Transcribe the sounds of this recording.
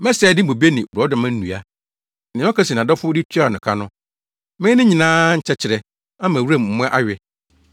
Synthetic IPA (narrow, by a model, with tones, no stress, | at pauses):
mɛ˦sɛː˨dɪ̃˦bo˨bi˦e˦nɪ̃˨wu˨ɾɔ˨˦dã˨mã˦n̩˦nũ˨a˦ | nɪ̃˨˦ɔ̃˦kʰa˦si˨n˨ã˨dɔ˦fʊ˦dɪ˦tʰa˦˨nʊ̃˨kʰa˦nʊ̃˦ | mɪ̃˦nɪ̃˦ɲĩ˨nãː˦ɲ̩˨t͡ɕʰɛ˦t͡ɕʰɪ˨ɾɛ˨ | ã˦mã˨wu˦ɾã˦˨mm̩˨mʊ̃˦ɛ˦ʔa˦ɥɪ˨